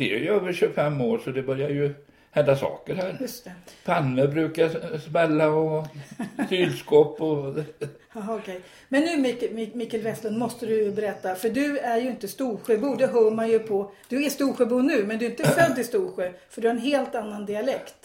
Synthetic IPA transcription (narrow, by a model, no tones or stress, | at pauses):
sɛ̰jøːvəɾɕɵfɛmːoːɾʂɔd̪ɛbœɾjaɾjɵ | hɛnd̪asɑ̰ːkəɾhæːɾjɵst̪ɛpʰanːəbɾʉ̟ːkasmɛlːaɔ | t̪yːlskɔpːɔ | ɑːɔkʰɛj | mɛnːʉ̟ːmɪmɪmɪkːɛlvɛst̪ənmɔst̪əd̪ɵjbɛɾɛt̪ːafœɖɵæɾjɵɪnt̪əst̪uːɾɧœbuːd̪ɛɦœːɾmanjɵpʰɔd̪̥ɵæst̪uːɾɧœːbuːnʉ̟ːmɛnd̪ɵɪnt̪əfœd̪ːɪst̪uːɾɧøfœɖɵhaɾɛnɦeːlt̪anːand̪ɪalɛkt̪